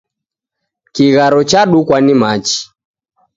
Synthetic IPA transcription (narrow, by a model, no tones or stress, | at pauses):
kiɣaɾɔt͡ʃaɗukwanimat͡ʃi̥